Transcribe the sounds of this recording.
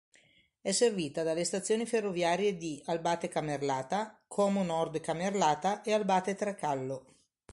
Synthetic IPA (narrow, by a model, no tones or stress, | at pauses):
ɛsːerviːt̪ad̪alːest̪at̪sːjoːniferːovjaːɾjed̪ialbaːt̪ekamːerlaːt̪akʰɔːmonɔrd̪kamerlaːt̪aʔealbaːt̪et̪ɾakalːo